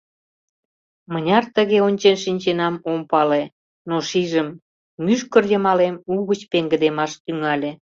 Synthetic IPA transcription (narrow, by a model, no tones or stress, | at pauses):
mənʲɑrt̪əɣeonʲt͡ɕenʃinʲt͡ɕenɑmompɑle | noʃiʒəm | myʃkərjəmɑlemuɣət͡ɕpeŋɡə̆d̪emɑʃt̪yŋɑlʲe